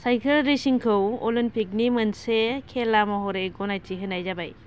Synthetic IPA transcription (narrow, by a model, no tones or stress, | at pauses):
sajkʰɯlɾisiŋkʰɯwɔlinpik̚nimɯnsekʰelamɔɦɔɾeɡɔnajtʰiɦɯnajzabaj